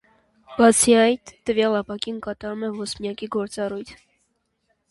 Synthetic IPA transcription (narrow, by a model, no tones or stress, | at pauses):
b̥ɑt͡sʰiɑjt̪ːəvjɑlɑpɑkinkɑt̪ɑɾumɛvɔsmjɑkiɡɔɾt͡sɑrujt̪ʰ